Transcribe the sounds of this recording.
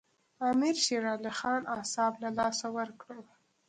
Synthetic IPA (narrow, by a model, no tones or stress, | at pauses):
ɑmɪɾʃeɾɑlɪxɑnasɑblalɑsawəɾkɽə